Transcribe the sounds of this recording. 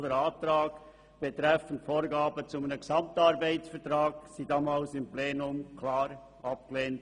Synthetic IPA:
ləɾaːtɾaːɡ | b̥etʁɛfən̩tfoːɾɡaːbət͡sʊmanəɡsɑmtɑɾbaɪt͡sfɛɐtʁaːɡsiːdaːmalsɪmpleːnʊmkʰlaːɾ | ʔɑp̚ɡ̥əleːnt

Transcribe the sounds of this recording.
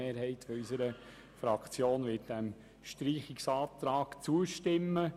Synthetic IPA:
eːɾɦɛɪt̪fɔysəɾə | fɾɑkt͡sjoːnʋɪt̚d̥æm | ʃtɾiːχɪksɑːt̪ɾɑːkt͡suəʃtɪmːə

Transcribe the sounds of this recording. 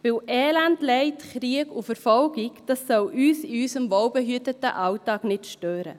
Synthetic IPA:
ʋɪlʔɛːlændlɛɪtχɾiəɡufəɾfɔlɡikd̥ɑsːɔwʔyːsɪyːsəmvɔwbɛɦyətətə̰ʔɑwtɑːknɪtʃtøːɾə̰

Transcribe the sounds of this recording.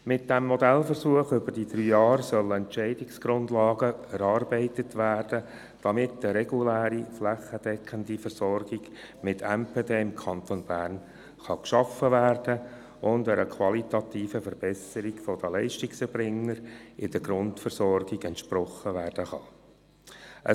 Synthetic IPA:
mɪt̚d̥ɛmːɔdɛlfərsuəχʏbəɾd̥id̥̪ɾyːjɑːɾsœlɛntt͡ʃɛɪdɪksɡ̥ɾʊndlɑːɡəɛɾɑːrbɛɪtətʋæːrd̥ə | d̥ɑmɪtːəɾɛɡulæːɾiflæχːəd̥ɛkχəndifərsɔrɡ̥ɪɡ | mɪtʰɛmpʰedeːɪmkʰɑnt̪onb̥æːrn | χɑkʃɑfːəʋæːrd̥ə | ʊndəɾəkʰwɑlit̪ɑt̪iːfəfəɾb̥ɛsəɾiɡ̥fɔd̥̪əlɛɪʃtɪksɛɾbrɪŋːəɾɪd̥əɡɾʊntfərsɔrɡɪɡɛntʃpɾɔχːəʋæːɾd̥əχɑ | ʔə

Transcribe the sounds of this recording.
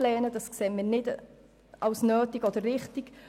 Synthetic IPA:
lɛːnəd̥ɑskseːmɪːɾnɪd | ʔɑwsnøːtiɡɔd̥̪ərːɪχtiɡ̥

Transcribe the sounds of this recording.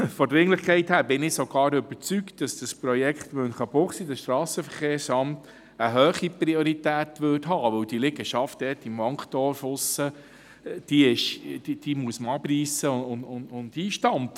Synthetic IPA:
fɔdɾɪŋlɪχkʰɛɪthæːɾbɪnɪsɔɡ̥ɑːɾʏbəɾt͡sykt̚d̥ɑsd̥əspɾɔjɛkχtʋønχɑpʊχsidəsʃt̪ɾɑːsəfəɾχeːɾsɑmt | əɦœːχipɾiɔɾitæːtʋʏtɦɑːʋɵwd̥ilɪɡəʃɑft̚d̥ɛːtimɔŋkχt̪ɔːɾfʊsːə | d̥iɪʃid̥imuəsməɑpriːsəʊnʊnʊndiːʃtɑnt

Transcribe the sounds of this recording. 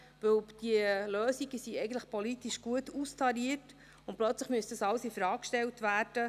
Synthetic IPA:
ʋɵwd̥iəløːsiɡəsiɛɪɡən̩tləχpɔlitiʃɡ̥uətustʰɑɾiət | ʊntplœt͡sləχmyəstdɑsɑlsifɾɑːkʃtɛltʋæːɾd̥ə

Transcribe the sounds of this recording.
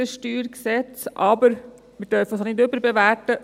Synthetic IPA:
əʃtyːɾksɛt͡sʔɑbəɾ | mɪɾdœɾfəsnɪdʏbəɾbɛʋætə

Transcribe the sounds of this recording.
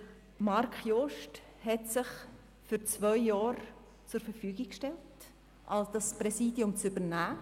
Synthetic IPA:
mɑɾkχjoʃt | hɛtsɪχ | fyɾt͡svœʏjːɑːɾ | t͡sʊɾfəɾfyːɡɪkʃtɛlt | ʔɑlsd̥ɑspɾɛsiːdjʊmt͡sybənæː

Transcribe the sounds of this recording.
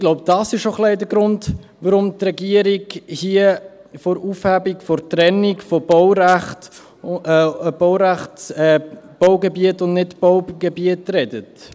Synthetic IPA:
ɡ̥lɔʊb̚d̥ɑsɪʃoχlɛɪdəɡɾʊndʋaɾʊmtɾɛɡiəɾiɡhiəfɔɾufhæbikfɔɾtɾɛnikfɔbɔʊwɾæχtː | b̥ɔʊɾæχtɛb̥ɔʊɡɛbiətʊndnɪtb̥ɔwɡɛbiətɾɛdət

